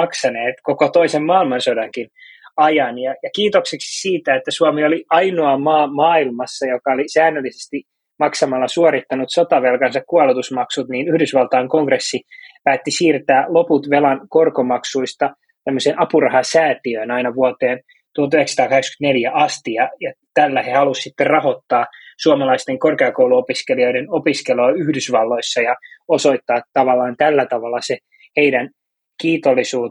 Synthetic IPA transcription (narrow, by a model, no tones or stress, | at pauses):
ɑksɑneːt̪kokot̪oisemːɑːilmɑnsodɑŋkinɑjɑnjɑjɑkiːt̪okseksi̥siːt̪æet̪ːæsuɑmioliʔɑinoɑmɑːmɑːilmɑsːɑjokɑolisæːnːølːisest̪i | mɑksɑmɑlːɑsuoɾit̪ːɑnut̪sot̪ɑʋelkɑnsɑkkuɑlut̪usmɑksut̪niːnyhdysʋɑlt̪ɑːŋkoŋɡresːipæːt̪ːisiːrt̪æːloput̪ʋelɑnkorkomɑksuist̪ɑ | t̪æmːøsenʔɑpurɑhɑsæːt̪iøːnɑinɑʋuɑt̪eːn | t̪uhot̪yheksɑt̪ɑːkɑheksky̥nt̪neljæʔɑst̪ijɑjɑt̪ælːæhehɑlussit̪ːerrɑho̞t̪ːɑːsuɑmɑlɑist̪eŋkorkeɑkouwluopiskelio̞idenopiskeloːyhdysʋɑlːo̞isːɑjɑoso̞it̪ːɑːt̪ɑʋɑlːɑːnt̪ælːæt̪ɑʋɑlːɑse | heidæn | kiːt̪olːisuː